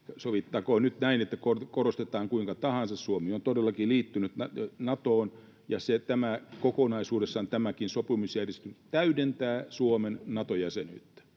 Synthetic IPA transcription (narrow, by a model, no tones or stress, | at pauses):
soʋit̪ːɑkoːnyt̪næinet̪ːækorkorost̪et̪ɑːŋkuiŋkɑt̪ɑhɑnsɑssuomiont̪odelːɑkiliːt̪ːynyt̪nɑnɑt̪oːn | jɑset̪æmækokonɑisuːdesːɑont̪æmækinsopimusjærjest̪ynyt̪t̪æydent̪æːsuomennɑt̪ojæseny̰ːt̪ːæ̥